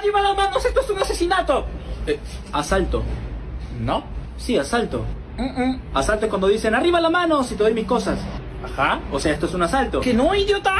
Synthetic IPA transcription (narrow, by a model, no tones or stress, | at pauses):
ariβalazmanosest̪oesunasesinat̪oeasalt̪o̰ | no | siasalt̪o̰ | asalt̪oekwand̪oðisenariβalamano̞sit̪eð̞o̞jmiko̞sas | axaoseae̞st̪oesunasalt̪o̞kenoiðjot̪a